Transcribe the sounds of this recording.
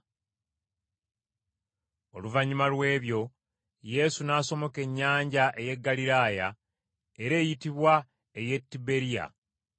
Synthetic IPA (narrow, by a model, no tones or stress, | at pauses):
o̞luvaɲimalwe̞ːβjo̞ | je̞sunaːso̞mo̞ke̞ɲːaːɲɟaʔe̞je̞ɡːaliɾaːja | eɾe̞ːjitiβwa | e̞je̞tːibe̞ɾija̰